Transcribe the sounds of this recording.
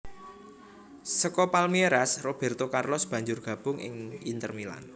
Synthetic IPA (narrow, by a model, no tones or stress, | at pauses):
səkɔpalmieɾasrob̥ɛ̤rt̪okarlɔsb̥ä̤ɲd͡ʒʊrɡ̥a̤b̥ʊ̤ŋɪ̰ŋint̪ərmila̰n